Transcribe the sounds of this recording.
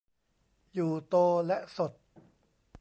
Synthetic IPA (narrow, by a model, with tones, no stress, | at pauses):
juː˨˩t̪oː˧lɛ˦˥ʔso˨˩t̪̚